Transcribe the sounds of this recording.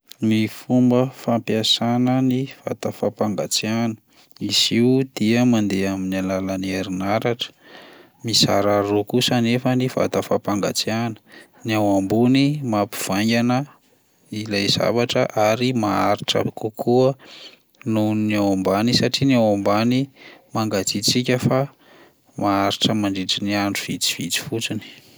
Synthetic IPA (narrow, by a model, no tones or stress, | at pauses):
mifumbəfampiasanəniv̥a̰t̪afapaŋɡat͡sianə̥ | isiud̪̥iəmand̪eaminalalanieɾinaɾaʈ͡ʂə̥ | misaɾaɾokusanefəniv̥a̰t̪afapaŋɡa̰t͡sianə̥ | niawambunimapi̥v̥aŋɡʲanə | ilajz̥a̰vaʈ͡ʂəʔaɾimaaɾiʈ͡ʂə̰kukʰuə | nunawambanisaʈ͡ʂiniawambanimaŋɡat͡sit͡sikʲəfa | maaɾiʈ͡ʂəmaɳɖ͡ʐiʈ͡ʂiniaɳɖ͡ʐuv̥it͡si̥v̥it͡si̥fut͡sini̥